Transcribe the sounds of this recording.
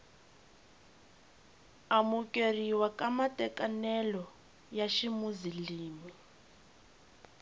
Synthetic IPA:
amukʼeriwakʼamatʼɛkʼanɛlɔ | jaʃimuziliːmi

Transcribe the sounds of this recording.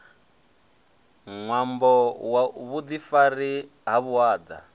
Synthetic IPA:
ŋwambɔwaβud̪ifaɾi | ɦaβuwaːd̪a̰

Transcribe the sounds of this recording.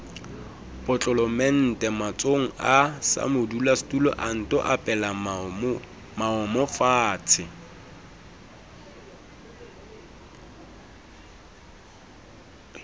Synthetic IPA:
pʼɔt͡ɬʼɔlɔmɛn̩tʼɛmat͡sʼoŋ̩asa̰mʊdulastʼulɔ̰ʔan̩tʼɔʔapʼɛla | maɔmɔfaːt͡sʰɪ

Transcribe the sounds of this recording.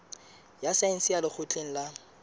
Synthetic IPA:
jasan̩sialɪk͡xʰʊt͡ɬʼeŋ̩la

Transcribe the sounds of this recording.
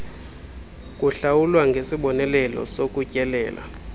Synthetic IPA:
kʼuɬawulwaŋɡʱesiɓɔnɛlɛlɔ̰sokʼucʼɛlɛ̰ːla̰

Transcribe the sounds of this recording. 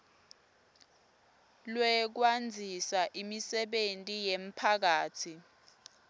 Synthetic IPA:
lwɛk̬wand͡zʱisaʔimisɛɓentʼijem̩pʰak̬aːtʰi

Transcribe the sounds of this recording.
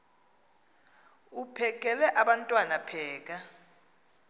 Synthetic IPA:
upʰɛk̬ʼɛlɛʔaɓantʼwanapʰɛːk̬ʼa

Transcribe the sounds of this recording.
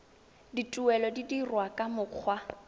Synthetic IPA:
ditʼuɛlɔdidirwakʼamʊq͡χʰwa

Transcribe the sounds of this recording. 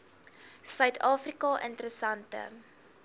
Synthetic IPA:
sœɥtʰɑːfrikɑʔə̰ntəɾəsɐntə̰

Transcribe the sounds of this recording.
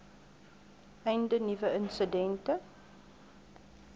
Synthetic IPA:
ɛjndənivəʔənsədɛntə

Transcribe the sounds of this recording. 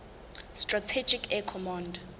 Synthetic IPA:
stratʰɛd͡ʒikʰɛkʰɔmãnd

